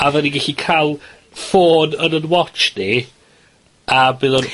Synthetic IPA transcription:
avɛniɡɛɬikʰalˠ | foːnənənwɔt͡ʃni | abɪðɔn

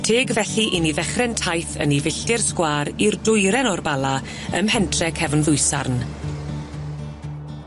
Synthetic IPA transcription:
tʰeːɡvɛɬiʔiniðɛχrɛntʰajθə̰nivɪɬtɪrskwaːɾirdʊjɾɛnɔrbalˠa | ə̰mhɛntʰrɛkʰɛvnðʊjsarn

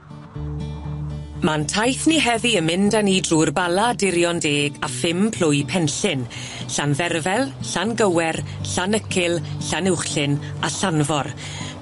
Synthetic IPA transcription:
mantʰajθniɦɛviəmɪndaniːdruːrbalˠadɪɾjɔndeːɡafɪmpʰl̥ʊjpʰɛnɬɪn | ɬanðɛrvɛlˠɬanɡəwɛrɬanəkʰɪlˠɬanɪwχɬɪn | aɬanvɔr

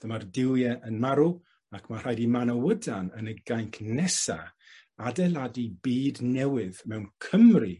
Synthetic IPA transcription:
ð̥əmardɪlˠjɛʔənmaɾu | akʰmar̥ajdimanəwədanənəɡajŋkʰnɛsa̰ | adɛlˠadibiːdnɛwɪðmɛwnkʰəmri

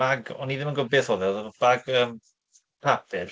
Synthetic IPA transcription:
aɡɔniðɪmənɡʊbeθɔðɛðb̥aɡəːm | pʰapʰɪr

